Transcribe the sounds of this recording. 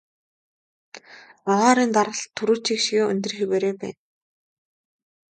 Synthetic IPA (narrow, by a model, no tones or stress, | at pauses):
aʁaːɾiːnt̪aɾə̆ɮt̪ʰːuɾuːt͡ɕʰikʃiɣeːɵ̰nʲt̪ɵ̆rxipæɾeːpæ̰ːn